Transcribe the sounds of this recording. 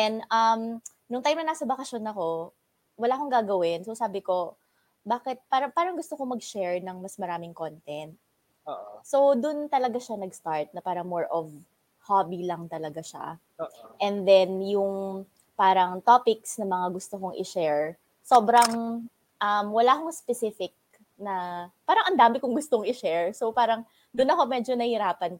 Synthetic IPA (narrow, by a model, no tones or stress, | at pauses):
ɛnʔɐm | nʊŋt̪ajmnɐnaːsɐbɐkɐʃjonɐko̞ | wɐlaːʔkoŋɡaːɡɐwɪnsosaːbɪko̞ | baːkɛt̪̚paːɾɐpaːɾɐŋɡʊst̪okomɐɡ̚ʃɛɹnɐŋmɐsmɐɾaːmɪŋkont̪ɛnt̪̚ | oʔso̞wd̪ʊnt̪ɐlɐɡaʃanɐɡst̪aɹt̪̚nɐpaːɾɐŋmoɹʔɔv | habilɐŋt̪ɐlɐɡaʃa̰ | ʔɛnd̪ɛnjʊŋ | paːɾɐŋt̪opɪksnɐmɐŋaɡʊst̪okoŋʔɪ̰ʃɛɹ | so̞ːbɾɐŋ | ʔɐmwɐlaːkoŋspɛsɪfɪk̚ | nɐpaːɾɐŋʔɐnd̪aːmɪkʊŋɡʊst̪oŋɪʃɛɹsopaːɾɐŋ | d̪ʊnɐko̞mɛːd͡ʒonɐhɪɾaːpɐn